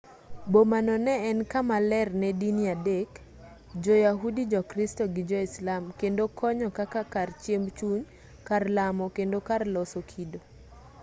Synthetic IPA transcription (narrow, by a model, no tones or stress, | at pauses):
bomanɔnɛɛnkamalɛrnɛdiniadek | d͡ʒɔjaɦudid͡ʒɔkɾistɔɡɪd͡ʒɔislamkendokʰɔɲɔkakakart͡ʃjembt͡ʃuɲ | karlamɔkendokarlɔsokʰido